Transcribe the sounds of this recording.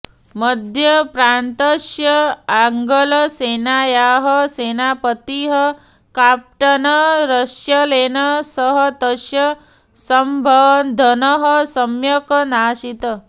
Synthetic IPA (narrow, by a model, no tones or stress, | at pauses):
məd̪ʱjɐpɾant̪əʃjɐaŋɡələseːnajaɦəseːnapət̪iɦə | kap̚ʈɐnɐɾəʃjɐleːnɐsəɦʌt̪əʃjɐ | səmbʱɐʋnd̪ʱɐnəɦəsɐmjɐknaːʃit̪ə